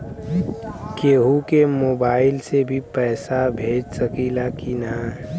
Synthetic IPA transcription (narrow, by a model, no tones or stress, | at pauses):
keːɦukemoːbaːɪlsebʱipɛːsabʱeːd͡ʒsəkiːlakinã